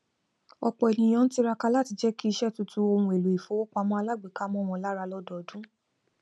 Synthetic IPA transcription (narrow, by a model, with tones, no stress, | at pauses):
ɔ˧k͡pɔ˨e˨nĩ˨j̃ã˧n̩˦ti˦ɾa˧ka˧la˦ti˧d͡ʒɛ˦ki˦i˧˦ʃɛ˦˨tu˧tu˦o˧hũ˧e˨lu˨i˨fo˨˦o˦k͡pa˧mɔ̃˦a˧la˦ɡ͡be˨ka˦mɔ̃˦˨w̃ɔ̃˧˦la˦ɾa˧lɔ˦dɔ˨dũ˦